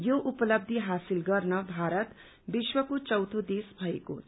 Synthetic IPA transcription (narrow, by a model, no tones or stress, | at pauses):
joʔupʌlʌb̚d̪ʱiɦasilɡʌrnʌbʱaɾʌt̪ | biswʌkot͡sʌwt̪ʰod̪esbʱʌeko